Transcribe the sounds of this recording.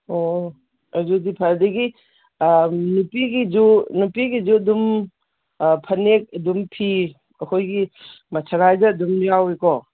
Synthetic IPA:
o | ɐzudipʰaɾdɐɡi | nupiɡid͡ʒunupiɡizuɐdum | pʰɐnek̚ɐdumpʰi | ɐkʰojɡi | mɐsʰaɾajzɐːdumjaweko

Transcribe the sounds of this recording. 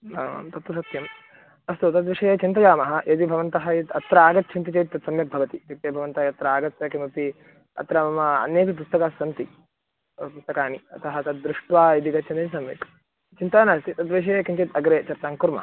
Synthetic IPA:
aːma̰ːmt̪ɐt̪ɐsɐt̪jɐm | ɐst̪ut̪ɐt̪ʋiʂɐjeːt͡ʃint̪ɐd͡ʒaːmɐɦɐ̆ʔed̪ibʱɐʋɐnt̪ɐɦɐjit̪ɐt̪ɾaːɡɐt̪̚t͡ʃʰint̪it͡ʃeːt̪ɐt̪sɐmjɐk̚bʱɐʋɐt̪it̪ik̚ʈ̪eːbʱɐʋɐnt̪ɐɐt̪ɾɐaːɡɐt̪jɐkimɐpi | ɐ̰t̪ɾɐmɐmɐɐ̰neːkip̬ust̪ɐkaːsɐnt̪i | pust̪ɐkaːniɐt̪ʰɐɦɐt̪ɐd̪̚d̪ɾuʂʈʋaːjid̪iɡɐt͡ʃʰɐnt̪ɐnsɐmjɐ̰k | t͡ʃint̪aːnaːst̪it̪ɐt̪ʋiʂ̬ɐjekint͡ʃet̪ɐɡɾeːt͡ʃɐɾt̪aːŋkuɾmɐ̰

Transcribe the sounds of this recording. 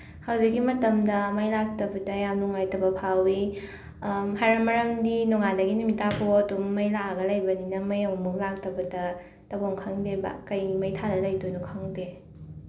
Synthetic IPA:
hawzikːimɐtɐmdɐmɐjlak̚tɐbɐdɐjamnuŋajtɐbɐpʰawi | ɦajɾɐmɐɾɐmdinuŋandɐɡinumitʰapʰoɐdumːɐjlaɡɐlajbɐninɐmɐjɐmumuk̚lak̚tɐbɐdɐ | tɐbɔŋkʰaŋdeba̰kɐjmɐjtʰadɐlɐjtojnukʰaŋde

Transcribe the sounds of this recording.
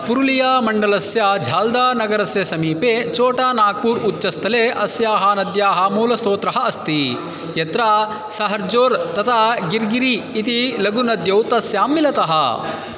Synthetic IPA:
puɾulijaːmɐɳɖɐlɐsjad͡ʒʱaːld̪aːnɐɡɐɾɐsjɐsɐmiːpeːt͡ʃoːʈaːnaːɡ̚puːɾut͡ʃːɐst̪ʰɐleːʔɐsjaːɦɐnɐd̪jaːɦaːmuːlɐst̪oːt̪ɾɐɦɐɐst̪i | jɐt̪ɾaː | sɐɦɐɾd͡ʒoːɾt̪ɐt̪ʰaɡiɾɡiɾiːt̪ilɐɡunɐd̪jɐwt̪ɐsjaːmːilɐt̪ɐɦɐ̰

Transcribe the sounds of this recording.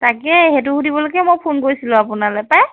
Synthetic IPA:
takɛɦɛt̬ʊhudibɔloɡɛmojpʰunkoɹisilʊ̃apunalɔjpaj

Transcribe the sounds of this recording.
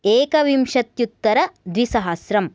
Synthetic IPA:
eːkɐʋimʃɐt̪jut̪ːɐɾɐd̪ʋisɐɦɐsɾɐm

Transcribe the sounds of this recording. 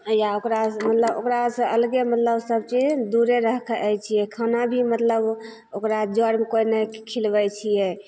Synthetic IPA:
jaokɾamət̪ləbo̰kɾasə̃əlɡemət̪ləbsəbt͡ʃid͡ʒd̪uɾeɾəɦkʰəjt͡ʃʰijɛkʰanabʱimət̪ləb | okɾad͡ʒəɾmekoinɛkʰilbɛt͡ʃʰijɛ

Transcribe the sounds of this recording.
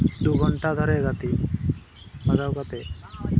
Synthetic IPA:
d̪uɡʱɔɳʈad̪ʱɔɾeɡat̪i | baɡawɡat̪e

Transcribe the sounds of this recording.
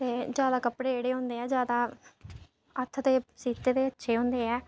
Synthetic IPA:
t̪eːd͡ʒjaːd̪aːkəpɽeːeːɽeːɦõːnd̪eːɛːd͡ʒjaːd̪aː | ət̪ʰt̪eːsiːt̪eːd̪eːətːʃʰeːɦõːnd̪eːɛː

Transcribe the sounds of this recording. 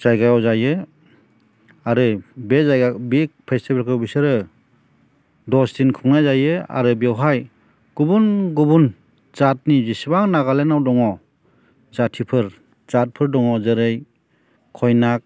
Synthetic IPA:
zajɡajawzajɯ | aɾɯbezajɡabik̚pʰestibelkʰɯbisɯɾɯ | dɔstinkʰɯŋnajzajɯa̰ɾɯbiawɦaj | ɡ̥ubunɡubun | z̥at̚nizisibaŋnaɡalenawdɔŋɔ | zatʰipʰɯɾ | zat̚pʰɯɾdɔŋɔzɯɾɯj | kʰɔjnak̚

